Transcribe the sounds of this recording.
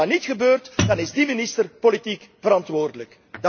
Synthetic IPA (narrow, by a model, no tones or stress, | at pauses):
ɑnitxəbøːrtd̥ɑnɪzdimɪnɪstərpolitikvəɾɑntʋoːrdələk | d